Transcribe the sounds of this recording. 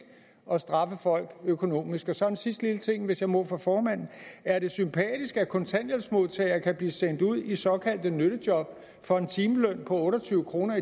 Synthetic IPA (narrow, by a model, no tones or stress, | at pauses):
ɒ̽sd̥ʁɑ̈fəfɒ̽l̰ɡ̥økʰo̝no̝̰ːmisɡ̥ɒ̽sɒ̽ensisd̥lilət͡sʰe̝ŋ̰ʋe̝sjɑ̈ɪmɔ̰fʁɑ̈fɒːmæn̰n̩æɐɾe̝sympʰɛ̰ːd̥isɡ̥ækʰɒ̽nt͡sʰæn̰jensmo̝ðˠt͡sʰɛɪɐkʰæb̥liːsen̰d̥uð̞̰ˠisɒ̽kʰæl̰d̥ənøɾ̥əd̥jɒ̽b̥̚ | fɒ̽e̝nt͡sʰiːməlœn̰pʰɒ̽ɔ̽ːɾɐt͡sʰyːʊəkʰʁo̝ːnɐi